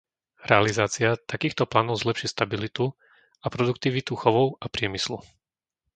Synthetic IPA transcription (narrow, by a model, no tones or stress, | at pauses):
ɾɛalizaːt͡siat̪akiːxt̪ɔplaːnɔʊzlɛpʃist̪abilit̪u | apɾɔd̪ukt̪iʋit̪uxɔʋɔʊapɾɪɛmislu